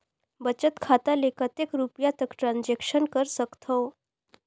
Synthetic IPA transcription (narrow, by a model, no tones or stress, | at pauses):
bət͡ɕət̪kʰat̪alekət̪ekɾupjat̪əkʈɾand͡ʑekʂənkəɾsəkt̪ʰəw